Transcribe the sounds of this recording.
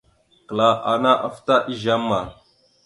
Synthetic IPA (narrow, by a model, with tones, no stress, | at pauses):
kə˨la˨ʔa˨na˦ʔa˦fta˦ʔi˦ʒa˦mːa˨